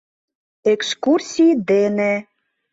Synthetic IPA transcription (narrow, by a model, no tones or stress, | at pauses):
ekskursʲid̪ene